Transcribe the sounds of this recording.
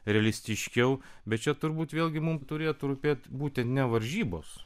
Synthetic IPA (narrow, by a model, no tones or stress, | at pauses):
ɾʲɛɛlʲɪsʲt̪ʲɪʃʲkʲɛʊbʲɛt̪̚t͡ʃʲɛt̪ʊɾbuːt̪ʋʲeːlʲɡʲɪmʊmt̪ʊɾʲeːjot̪ɾuːpʲeːt̪buːt̪ʲɛnt̪nʲɛʋɐɾʲʒʲiːboːs